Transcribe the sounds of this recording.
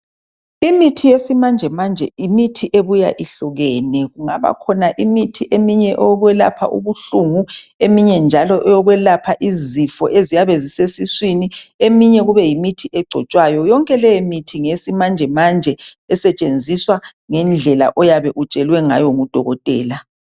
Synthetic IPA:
imitʰijesimand͡ʒʱɛmand͡ʒʱɛimitʰiʔeβuja̰ʔiɬuɣɛːnɛɣuŋa̰βa̰kʰɔnaʔimitʰiʔemiɲɛʔɔɣwɛla̰pʰa̰ʔṵβuɬuŋuemiɲɛnd͡ʒʱalɔʔɛjɔɣwɛlapʰaʔizifɔʔezijaβɛzisesiswiniemiɲɛɣuβɛjimitʰiʔɛɡ͡ǀʱɔt͡ʃʼwajɔjɔŋkʼɛlɛjimitʰiŋesimand͡ʒʱɛmand͡ʒʱɛɛsɛt͡ʃʼend͡zʱiswaŋɛnd͡ɮʱɛla̰ʔɔjaβɛʔut͡ʃʼɛlwɛŋa̰jɔŋud̥ʱɔ̰ɣɔtʼɛːla

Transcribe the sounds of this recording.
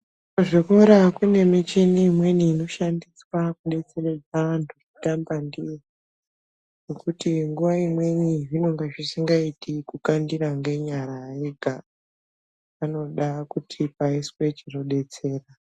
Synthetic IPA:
oʐiko̞ɾakune̞mit͡ʃiniːmwe̞niːno̞ʃandiswakuɗe̞t͡se̞red͡zaantʰurutambandi | nokutiŋɡuʋaimwe̞niʐino̞ŋɡeʐisiŋɡaitikukandiɾaŋɡe̞ɲaɾaiɡʱa | ano̞ɗakutʰipaiswe̞t͡ʃino̞ɗe̞t͡se̞ːra

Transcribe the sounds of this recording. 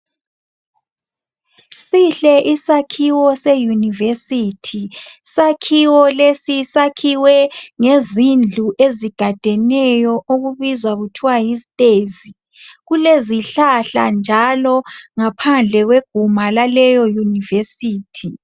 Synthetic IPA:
siɬɛʔisakʰiwɔsejunivesitʰisakʰiwɔlesisakʰiwɛŋezind͡ɮʱuʔeziɡ̥ʱad̥ʱɛnɛjɔʔoɣuβizwaɣutʰiwajizitʼezi | ɣuleziɬaɬa̰nd͡ʒʱalɔŋapʰand͡ɮʱɛɣweɡ̥ʱumalalɛjɔjunivesiːtʰi

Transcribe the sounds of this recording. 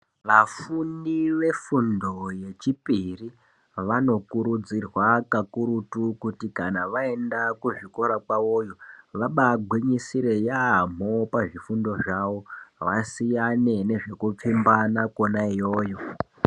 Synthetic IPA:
ʋafuniʋe̞fundo̞je̞t͡ʃipiri | ʋano̞kuɾud͡zirwakakuɾutukutikanaʋae̞ndakuʐiko̞ɾakwao̞joʋaɓaɡʱwiɲisiɾe̞jam̤o̞paʐifundo̞ʐawo̞ʋasijane̞ne̞ʐe̞kup͡fimbanakonaijo̞ːjo̞

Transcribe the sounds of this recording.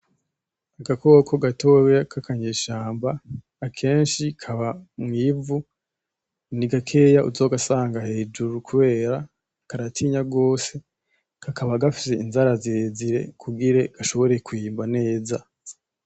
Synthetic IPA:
aɡako̞ːkʰo̞ɡato̞akʰakaɲeʃaːmbaː | kʰe̞ːnʃikʰaβamŋiːvu | niɡakʰe̞jaʔuzo̞ːɡasaːŋɡahe̞ːd͡ʒuɾukuβe̞ːɾa | kaɾatʰiɲaɡo̞ːse̞ | kakʰaβaɡafi̥se̞inzaɾazeziɾe̞̰kʰuɡiɾe̞ɡ̥aʃo̞βo̞ɾe̞kuiːmbane̞ːza

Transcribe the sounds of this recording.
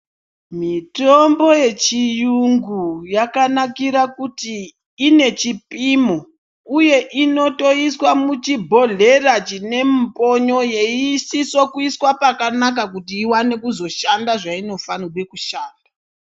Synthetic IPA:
mitombo̞je̞t͡ʃijuŋɡujakanakiɾakutiː | ne̞t͡ʃipimo | uje̞ʔino̞to̞iswamut͡ʃibʱo̞ɮe̞rat͡ʃine̞m̩po̞ɲo̞je̞isiswokuiswapakanak̬akutiːwane̞kuzo̞ʃandaʐaino̞fanuɓe̞kuʃaːnda

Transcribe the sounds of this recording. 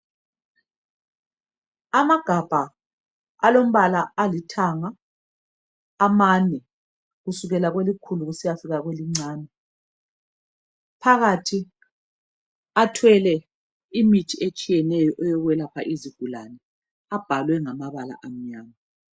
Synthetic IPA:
amaɡ̥ʱab̥ʱa | alom̩βalaːlitʰaŋa | manɛ | ɣusuɣɛlaɣwelikʰuluɣusijafiɣaɣweliŋ͡ǀaːnɛ | pʰaɣatʰi | atʰwɛlɛ | imitʰiet͡ʃʼijɛnɛjɔʔɛjɔɣwɛlapʰa̰ʔiziɡ̥ʱula̰nɛ | ab̥ʱalwɛŋamaβala̰ʔam̩ɲaːma

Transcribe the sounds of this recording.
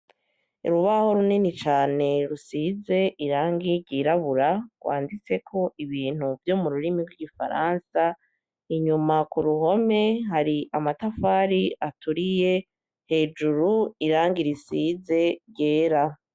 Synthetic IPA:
ṵɾuβaho̞ɾuninit͡ʃaːne̞ɾusiːze̞ʔiɾaːŋɡiɟiːɾaβuɾaɡ̥wa̰ːndit͡se̞kʰo̞iβiːn̥huvjo̞ːmuɾuɾimiɡwiɡifa̰ɾaːnsa | iɲumakuɾuɦo̞me̞haɾiʔamatafaːɾiatʰuɾije̞ | he̞ːd͡ʒuɾuiɾaːŋɡiɾisize̞ɾɟe̞ːɾa

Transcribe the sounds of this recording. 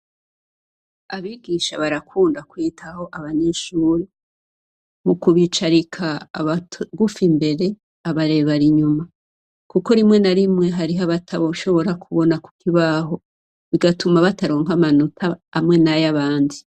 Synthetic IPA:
aβiːɡiːʃaβaɾakʰuːndakwiːtʰaho̞ʔaβaɲeʃuːɾe | mukuβit͡ʃaɾikʰaβaɡufimbe̞ɾe̞ | aβaɾe̞βaɾiɲuma | kuko̞ɾimŋe̞naɾimŋe̞ɦaɾiɦaβatʰaβoʃo̞βo̞ɾakʰuβo̞naku̥kiβaɦo̞ | βiɡatumaβataɾo̞ːŋamanutʰaːmŋe̞najaβaːndi

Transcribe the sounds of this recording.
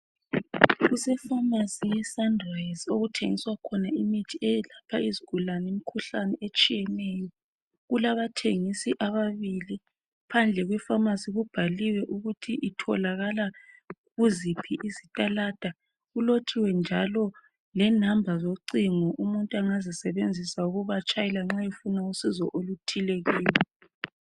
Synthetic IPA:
ɣusɛfamasijɛsandrɔjzoɣutʰeŋiswakʰɔnaimitʰiɛjɛlapʰaiziɡ̥ʱulanemikʰuɬanɛʔet͡ʃʼijɛnɛjɔ | ɣulaβatʰeŋisiʔaβaβili | pʰand͡ɮʱɛɣwɛfamasiɣub̥ʱaliwɛʔuɣutʰiʔitʰɔ̰laɣala | ɣuzipʰiʔizitʼalad̥ʱa | ɣulotʰiwɛnd͡ʒʱalɔ | lɛnambʱazoǀiŋɔʔumuntʼuaŋazisɛβend͡zʱisauɣuβat͡ʃʼajilaŋ͡ǁajefunausizɔ̰ʔolutʰileɣiːlɛ

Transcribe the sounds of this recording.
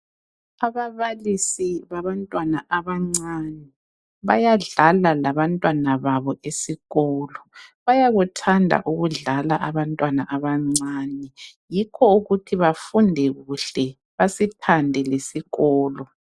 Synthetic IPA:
aβaβalisiβaβantʼwanaʔaβaŋ͡ǀanɛ | βajaɮalalaβantʼwanaβaβɔʔesiɣɔːlɔβajaɣutʰandʱa̰ʔuɣuɮalaʔaβantʼwanaʔaβaŋ͡ǀanɛjikʰɔuɣutʰiβafundʱɛɣuɬɛ | βasipʰandʱɛlesiɣɔːlɔ

